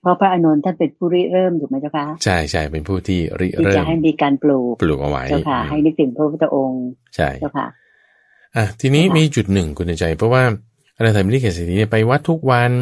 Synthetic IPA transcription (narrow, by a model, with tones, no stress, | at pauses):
pʰɾɔ˦˥pʰɾa˦˥ʔa˧no˧nt̪ʰa˥˩npe˧npʰuː˥˩ɾi˦˥ɾɤː˥˩mt̪ʰuː˨˩ma˦˥jt͡ɕa˥˩kʰa˦˥t͡ɕʰa˥˩jt͡ɕʰa˥˩jpe˧npʰuː˥˩t̪ʰiː˥˩ɾḭ˦˥ʔ̚i˥ɾɤːa˩m˩ɦa˥˩jmiː˧kaː˧npluː˨˩k̚pluː˨˩k̚ʔa̰˧wa̰˦˥ja˥˩kʰa˥˩ɦa˥˩jnɯ˦˥k̚t̪ʰɯ˩˦ŋpʰɔ˥˩˥a˧ʔo˧ŋt͡ɕʰa̰˥˩ja˥˩wkʰa̰˦˥˩ | ʔa˧˩t̪ʰiː˧niː˦˥miː˧t͡ɕu˨˩t̪̚nɯ˨˩ŋkʰu˧na˧t͡ɕa˧jpʰɾɔ˦˥waː˥˩ | ʔa˧na˧t̪a˨˩m˧ni˥˩kaː˨˩se˧˩iː˦˥ni˥˩pa˧jwa˦˥t̪ʰːu˦˥k̚wa˧n